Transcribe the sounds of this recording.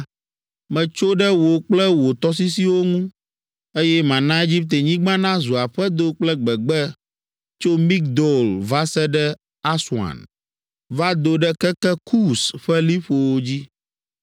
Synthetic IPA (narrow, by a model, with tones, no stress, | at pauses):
mɛ̃˨t͡ʃo˦ɖɛ˦wo˨k͡plɛ˦wo˨t̪ɔ˦si˦si˦wo˦ŋũ˦ | e˦jɛ˦mã˨nã˦e˦d͡ʑi˦p̚t̪e˨ɲĩ˦ɡ͡bã˦nã˦zu˨a˨ɸɛ˦d̪o˦k͡plɛ˦ɡ͡bɛ˨ɡ͡bɛ˦ | t͡ʃo˦mi˦k̚d̪o˨lva˦sɛ˦ɖɛ˦ | a˦swã̰˨n | va˦d̪o˨ɖɛ˦kɛ˦kɛ˦kʰu˦sɸɛ˦li˦ɸo˨wo˦d͡ʑi˦